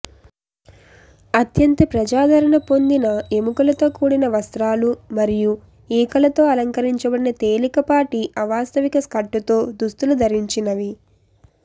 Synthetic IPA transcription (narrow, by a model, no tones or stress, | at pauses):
ɐt̪jɐnt̪ɐpɾɐd͡ʒaːd̪ʱɐɾɐɳɐpo̞nd̪inɐemukɐlɐt̪o̞ːkuːɽinɐʋɐst̪ɾaːlumɐɾiju | iːkɐlɐt̪o̞ːɐlɐŋkɐɾiɲt͡ʃɐbɐɽinɐt̪e̞ːlikɐpaːʈiʔɐʋaːst̪ɐʋikɐskɐʈːut̪o̞ːd̪ust̪ulud̪ʱɐɾiɲt͡ʃinɐʋi